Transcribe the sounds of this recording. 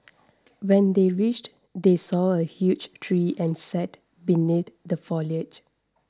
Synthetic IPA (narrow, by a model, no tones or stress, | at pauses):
wɛ̃ndeɹit͡ʃt | desɔəhjud͡ʒtʰɹiʔɛ̃nsɛt | biniθdəfɔliəd͡ʒ